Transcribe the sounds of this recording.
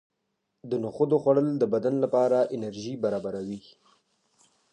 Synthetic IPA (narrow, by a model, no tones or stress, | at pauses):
d̪ənoxod̪oxwaɽəld̪əbad̪anlapɑɾaʔɪnaɾʒibaɾɑbaɾawi